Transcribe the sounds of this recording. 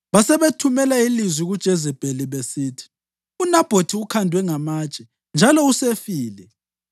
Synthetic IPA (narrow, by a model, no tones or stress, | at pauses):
βasɛβetʰumɛlailizwiɣud̥ʒ̥ʱɛzɛb̥ʼʱeliβesiːtʰi̥ | unab̥ʱotʰiukʰandʱwɛŋamaːt͡ʃʼɛ | nd͡ʒʱalɔusefiːlɛ